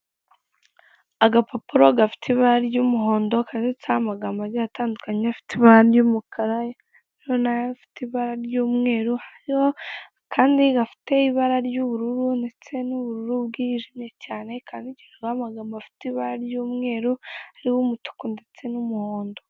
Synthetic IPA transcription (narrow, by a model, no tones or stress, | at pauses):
aɡapopuɾo̞ɡafi̥tʰiβaɾaɾjuːmuɦoːndo̞kaːndit͡saamaɡaːmbaɾjataːndukaɲeafi̥tiβaɾajuːmukʰaɾa | iɾonafi̥tiβaɾaɾjuːmŋe̞ːɾuhaɾiho | kʰaːndiɡafi̥te̞iβaɾaɾjuβuɾuɾunde̞t͡se̞nuβuɾuɾubɡiʒimɲe̞caːne̞kʰaːndiɟenaɡamaɡaːmbafi̥tiβaɾaɾjuːmŋe̞ːɾuhaɾiwumutu̥kunde̞t͡se̞numuhoːndo